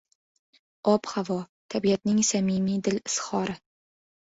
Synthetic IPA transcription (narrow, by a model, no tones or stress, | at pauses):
ɒphavɒt̪ʰabijat̪nɪŋsamimid̪ɪlɪshɒɾɪ